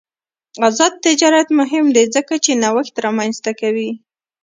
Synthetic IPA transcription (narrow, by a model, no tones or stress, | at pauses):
azɑd̪̚t̪ɪd͡ʒɑɾat̪mʊɦɪmd̪ezəkat͡ʃenawəxt̪ɾɑmanzt̪akawi